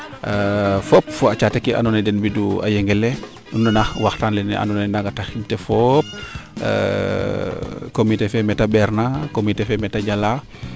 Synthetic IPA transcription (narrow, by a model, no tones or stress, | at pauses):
fop̚fɔat͡ʃatekiʔa̰nɔnɛdɛnbidua̰jɛŋɡɛlɛ | unːanaxwaxtanlɛnɛʔa̰nɔnɛnaɡataximtɛfɔp̚ | komitefɛmɛtabɛɾnakomitefɛmɛtaɟala